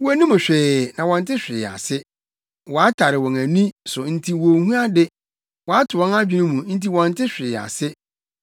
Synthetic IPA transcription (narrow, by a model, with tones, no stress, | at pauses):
wæ˨nũ˦mʊ̃˨ɕᶣɪ˨nã˨wɔ̃˨n̩˨tɪ˦ɕᶣɪ̰˨a̰˨sɪ˦ | wɔ˨a˦tʰa˨ɾɪ˨wɔ̃˨ŋæ̃˨nĩ˦sʊ˨n̩˦˨tʰi˦wo˨hũ˦a˦dɪ˦ | wɔ˨a˦tʰʊ˨wɔ̃˦na˦d͡ʑᶣi˨˦nʊ̃˦mũ˨n̩˦ti˦wɔ̃˨n̩˨tʰɪ˦ɕᶣɪ˨a̰˨sɪ˦